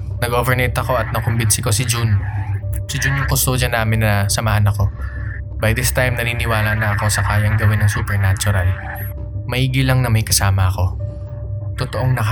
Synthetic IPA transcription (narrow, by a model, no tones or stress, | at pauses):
nɐɡovɛɹnɛt̪ɐko̞ʔɐt̪̚nɐkʊmbɪnsɪko̞sɪd͡ʒun | sɪd͡ʒunjʊŋkost̪uːd͡ʒɐnaːmɪnːɐsɐmaːhɐnɐko̞ | bɐjd̪ɪst̪ajmnɐniːnɪwaːlɐnɐɐko̞sɐkaːjɐŋɡɐwɪnːɐŋsuːpɛɹnat͡ʃʊɾɐl | mɐhiːɡɪlɐŋnɐmɐjkɐsaːmɐɐko̞ | t̪ot̪oʔoŋnɐ